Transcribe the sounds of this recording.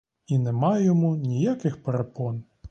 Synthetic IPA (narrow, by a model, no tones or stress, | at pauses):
inɛmɑjɔmunʲijakɪxpeɾepɔn